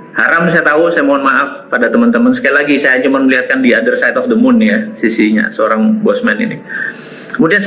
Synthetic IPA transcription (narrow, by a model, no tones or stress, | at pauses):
haɾamsajat̪ausajamoŋanmaʔafpadat̪əmant̪əmənsə̥kajalaɡisajat͡ʃumanməliɦat̪̚kandiadərsajt̪ɔfdəmʊnjasisiɲa̰səoɾaŋbɔsmɛnḭni | kəmudian